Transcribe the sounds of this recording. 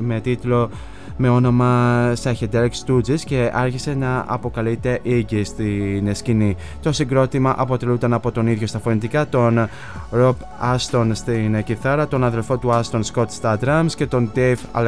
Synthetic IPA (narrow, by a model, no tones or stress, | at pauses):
me̞t̪it̪lo̞ | me̞o̞no̞mɐsɐçed̪eɾkst̪ud͡zisce̞ʔɐɾçise̞nɐɐ̰po̞kɐlit̪e̞ʔiɟist̪inescini | t̪o̞siŋɡɾo̞t̪imɐʔɐpo̞t̪e̞lut̪ɐnɐpo̞t̪o̞niðʝo̞st̪ɐfo̞nit̪ikɐt̪o̞n | ɾop | ɐst̪o̞nst̪inciθɐɾɐt̪o̞nɐðe̞lfo̞t̪uɐst̪o̞nsko̞t̪st̪ɐd̪ɾɐmsce̞t̪o̞nd̪efɐ̰l